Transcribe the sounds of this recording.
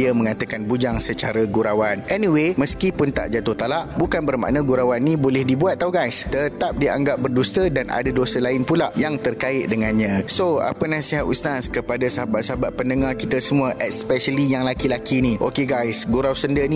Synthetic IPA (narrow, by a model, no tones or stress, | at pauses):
iəmə̃ŋat̪əkanbud͡ʒaŋsət͡ʃaɾaɡuɾawanɛniweməskipʊnt̪a̰ʔd͡ʒat̪ʊht̪alaʔbukanbərma̰ʔnə̃ɡuɾawanːĩbolɛhdibuat̪̚ːawɡajst̪ət̪ap̚dia̰ŋɡap̚bərdust̪ədana̰dadosəlaɪnpulaʔjaŋt̪ərkaɪt̪̚dəŋãnɲãsoa̰pənãsiɦat̪ṵst̪askəpadasəɦabat̪̚səɦabat̪̚pəndəŋarkit̪əsəmũəʔɛt̪spɛʃəlijaŋlakilakiniʔo̰keɡajsɡuɾawsəndənĩ